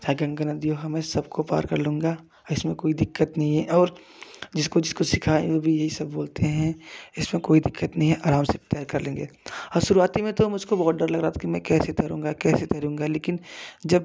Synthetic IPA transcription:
saːɡɐ̃ŋɡənad̪ijoɦɐmẽsɐbkopa̰ːɾkɐɾlũːŋɡaː | ɪsmẽkoːid̪ɪkːət̪nɐɦĩɦɛ̃ʔɔːɾ | d͡ʒɪskod͡ʒɪskosɪkʰã̰ːobʱijɐɦisɐbboːlt̪eɦɛ̃ɪsmẽkoːid̪ɪkːət̪nɐɦĩɦɛ̃ʔaːɾaːmset̪ɛːɾkɐɾlẽːŋɡeːɔːɾʃʊɾuaːt̪imẽt̪omʊd͡ʒʱkobɔːt̪̚ɖəɾlɐɡɾaːt̪ʰakimɛ̃kɛːset̪ʰɛɾũːŋ̆ɡakɛːset̪ɛːɾũːŋɡaleːkɪnd͡ʒɐb

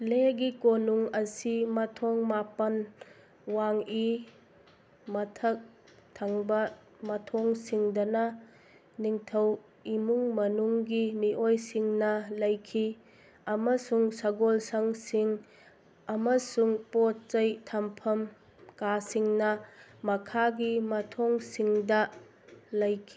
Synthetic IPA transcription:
leɡikonuŋɐsimɐtʰɔŋmapɐn | waŋi | mɐtʰɐk̚tʰɐŋbɐ | mɐtʰɔŋsiŋdɐnɐ | niŋtʰɐw | imuŋmɐnuŋɡiniʔojsiŋnɐlɐjkʰi | ɐmɐsuŋsɐɡolsaŋsiŋ | ɐmɐsuŋpot̚t͡ʃɐjtʰɐmpʰɐm | kasiŋnɐmɐkʰaɡimɐtʰɔŋsiŋdɐ | lɐjkʰi̥

